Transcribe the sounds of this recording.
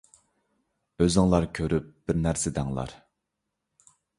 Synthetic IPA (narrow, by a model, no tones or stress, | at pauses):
øzɪŋlˠɑɾkʲʰøɾyp̚b̥ɪɾnæɾsɪd̪æŋlˠɑ̰ɾ